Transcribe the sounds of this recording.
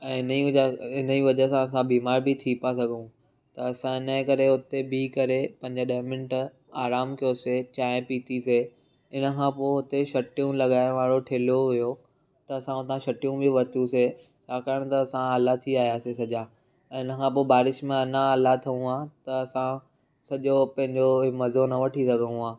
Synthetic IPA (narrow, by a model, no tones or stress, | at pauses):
ɛ̃ːɦɪniɪniʋɐd͡ʑəsãɐsãbiːmaːɾbʱɪt̪ʰipasɐɡʱũ | t̪ɐɐsãɪnə̃kɐɾeɦʊt̪ebikɐɾepɐ̃ɪ̃ɲd͡ʑəɗɐːmɪ̃nʈ | aːɾaːmkijoset͡ɕaːɪ̃piːt̪ise | ɪnə̆kʰãpoːɦʊt̪eʃɐʈijũlɐɠaːɪʋaːɽoʈʰeːlijoɦʊjo | t̪ɐɐsãʊt̪ãʃɐʈijũbʱɪʋɐt̪jũse | t͡ɕʰaːkaːɾəɽ̃t̪ɐːsãɐlat̪ʰiaːɦijaːsesɐʄaː | ɛ̃ːɪnəkʰãp̬oːbaːɾɪʃmẽɐnãɐlat̪ʰɐũaːt̪ɐɐsã | sɐʄopɐ̃ɦɪ̃ɲd͡ʑomɐzonɐʋɐʈʰisɐɡʱəũɦaː